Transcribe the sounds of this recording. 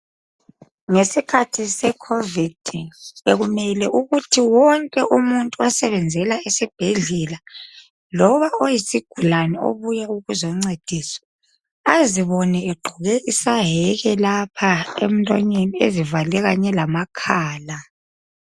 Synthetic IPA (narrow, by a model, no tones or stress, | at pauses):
ŋesikʰatʰisɛkʰovid̥ʱeɣumɛlɛʔuɣutʰiwɔŋkʼɛʔumuntʼuasɛβɛnd͡zʱɛlaesib̥ʱeɮɛla | lɔβaojisiɡ̥ʱulanɛo̰βujauɣuzɔŋ͡ǀed̥ʱiːswɛ̥ | aziβɔnɛeɡ͡ǃʱuɣɛʔisaɦɛɣɛlapʰaem̩lʼɔ̰ɲeniezivalɛɣaɲɛlamakʰaːla